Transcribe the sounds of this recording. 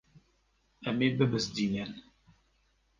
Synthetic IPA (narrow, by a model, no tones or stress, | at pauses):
amebəbəsdiɲan